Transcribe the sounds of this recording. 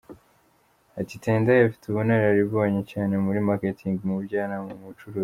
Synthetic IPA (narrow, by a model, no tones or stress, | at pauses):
atiteːndajafi̥tuβoneɾaɾiβoːɲecaːne̞muɾimaketʰiŋɡmubɟaːnaumut͡ʃuɾoːzi